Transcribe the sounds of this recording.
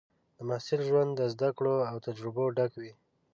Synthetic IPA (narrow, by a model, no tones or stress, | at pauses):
d̪̥əmahsɪlʒwand̪ːəzd̪akɽoawt̪ad͡ʒɾɪboɖakwi